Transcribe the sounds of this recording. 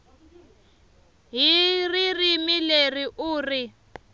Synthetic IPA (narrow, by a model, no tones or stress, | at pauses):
ɦiririmileriʔuːri